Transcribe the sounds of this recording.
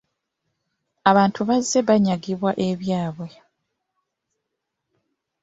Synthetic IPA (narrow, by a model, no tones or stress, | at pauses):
aβaːntʰuβazːe̞βaɲaɡiβwaʔe̞βjaːβwe̞